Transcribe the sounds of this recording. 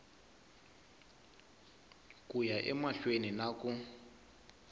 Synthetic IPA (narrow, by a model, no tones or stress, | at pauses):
kʼujaʔɛmaɬweninakʼu